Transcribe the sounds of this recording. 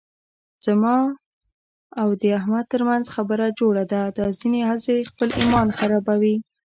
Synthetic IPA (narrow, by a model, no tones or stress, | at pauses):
z̥amɑ | awd̪əahmad̪̚t̪əɾmanzxabəɾad͡ʒoɽad̪ad̪ɑzinehazexpəlimɑnxaɾɑbawi